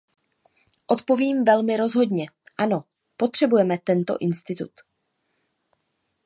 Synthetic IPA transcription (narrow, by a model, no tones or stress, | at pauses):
ʔo̞t̪po̞viːmvɛlmɪɾo̞zɦo̞d̪ɲɛʔano̞ | po̞t̪r̝̥ɛbujɛmɛt̪ɛnt̪o̞̰ʔɪnst̪ɪt̪ṵt̪